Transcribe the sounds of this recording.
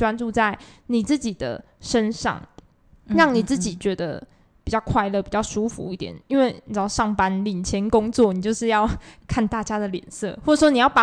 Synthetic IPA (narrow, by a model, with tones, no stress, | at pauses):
wa˦nʈ͡ʂu˥˧t͡sa˥˩ɪni˨˩t͡sɹ̩˥˩t͡ɕi˨˩d̪ə̰˦ʂə˦˥nʂɑ̰˥˩ŋ | ɻɑ˥˩ŋni˨˩t͡sɹ̩˥˩t͡ɕi˨˩t͡ɕɥɛ˧˥d̪ə̰˧ | pi˨˩t͡ɕjɑ˥˧ʊkʰwa˥˧ɪlɤ˥˩pi˨˩t͡ɕjɑ˥˩ʊʂu˥˦fṵ˦i˥˩t̪jɛ̰˨˩˦ni˥nwe˥˩ɪni˨˩˥ʊʂɑ˥˨˩ŋpa˦nli˨˩nt͡ɕʰjɛ˧˥nko˦ŋt͡swɔ˥˨ni˨˩t͡ɕjo˥˧ʊʂɻ̩˥˧jɑ˥˧ʊkʰa˥˧nt̪a˥˩t͡ɕja˥d̪ə˨ljɛ̰˨˩nsɤ̰˥˧˨xwɔ˥˩ʈ͡ʂʂwo˥ni˨˩jɑ˥˩ʊpa˨˩